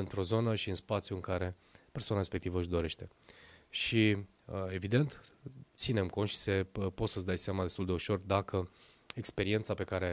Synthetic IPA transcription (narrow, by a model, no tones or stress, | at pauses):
ɨnt̪ɾo̞zo̞nəʃiɨnspat̪sjuɨŋkaɾe̞ | pe̞rsoanaɾespe̞k̚t̪ivəɨʃd̪o̞ɾe̞ʃt̪e̞ʃi | e̞vid̪e̞nt̪t̪sine̞mko̞nt̪ʃi̥sepo̞t̪səsd̪ajseamad̪est̪uld̪e̞uʃo̞rd̪akʰə | e̞kspe̞ɾie̞nt̪sape̞kaɾe̞